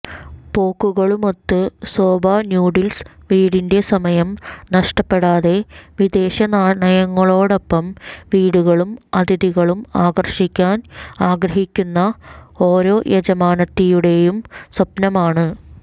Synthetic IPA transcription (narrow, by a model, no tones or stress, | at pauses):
po̞ːkːuɣɐɭumo̞t̪ːɨso̞ːbʱaːnjuːɽilsʋiːɽinde̞sɐmɐjɐmnɐʂʈɐpːe̞ɽaːðe̞ʋid̪e̞ːɕɐnaːɳɐjɐŋːɐɭo̞ːɽo̞pːɐmʋiːɽuɣɐɭumɐd̪iðiɣɐɭumaːɡɐrʂikʲːaːnaːɡɾɐɦikʲːunːɐo̞ːɾo̞ːjʔed͡ʑɐmaːnɐt̪ːijuɽe̞jumsɐpnɐmaːɳɨ